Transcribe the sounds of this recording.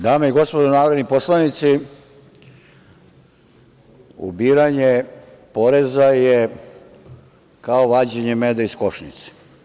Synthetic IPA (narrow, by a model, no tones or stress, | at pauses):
d̪aːmeiɡo̞spod̪onaːʋɾed̪niposlanit̪si | ṵbiːɾaɲe | po̞ɾezaje | kaoʋaːd͡ʑeɲemed̪aiskoʃɲḭt̪se̥